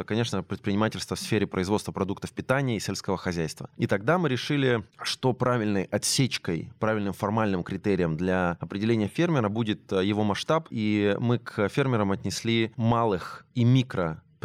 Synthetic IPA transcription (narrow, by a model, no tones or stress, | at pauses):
əkɐnʲe̞ʂnəpɾʲɪt̪pɾʲɪnʲɪmatʲɪlʲst̪vəfsfʲeɾʲɪpɾʔəɪzvost̪vəpɾɐd̪uk̚t̪əfpʲɪt̪anʲɪːsʲelʲskəvəxɐzʲæjst̪və̰it̪ɐɡ̚d̪amɨɾʲɪʂɨlʲɪʂt̪o̞pɾavʲɪlʲnəjʔɐt̪sʲet͡ɕkəjpɾavʲɪlʲnɨmfɐrmalʲnɨmkɾʲɪt̪eɾʲɪjəmd̪lʲaɐpɾʲɪdʲɪlʲenʲɪjəfʲermʲɪɾəbudʲɪt̪jɪvo̞mɐʂt̪apimɨkʰfʲermʲɪɾəmɐtʲnʲɪsʲlʲimalˠɨximʲikɾə | p